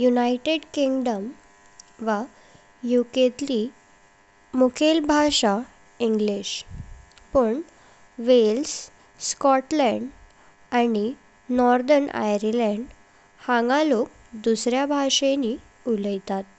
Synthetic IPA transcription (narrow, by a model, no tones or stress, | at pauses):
junajʈeɖkiŋɡɖəm | ʋa | juket̪li | mukʰelbʱaʂa | iŋɡliɕ | pəɳ | ʋels | skɔʈlɛ̃ɳɖ | ani | nɔɾd̪ənʔa̰jɾilɛ̃ɳɖ | hãŋɡãlok̚ | d̪usɾjabʱaʂeni | uləjt̪at̪̚